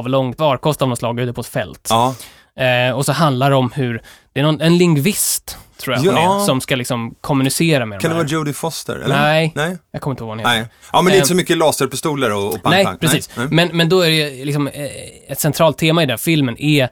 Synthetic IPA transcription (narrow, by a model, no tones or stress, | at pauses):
vlɔŋt̪vɑːɾkʰɔst̪avd̪ɔmslɑːɡəɾʉ̟t̪ːəpʰɔɛt̪fɛ̰lt̪ː | ɔsɔɦand̪laɾɛɔmhɵɾd̪ɛæɾnɔnɛnlɪŋɡvɪst̪ʰːɾuːasɔmskalɪksɔmkʰɔmːɵnɪseːɾamɛd̪kand̪ɛvɑːuːd̪ɪfɔst̪ə̰ɾɛ̰lɛnɛjɑkʰɔmɪt̪hovɑːnheʔɑːmɛndɛsɔmʏkːəlɑːsəɾpɪst̪uːləɾɔɔanɛja̰pʰɾɛsiːsmɛnmɛnd̪ɔæɾɛjɵlɪksɔmɛt̪sɛnt̪ʰɾɑːlt̪ʰːeːmaɪd̪ɛnfɪlmənʔɛ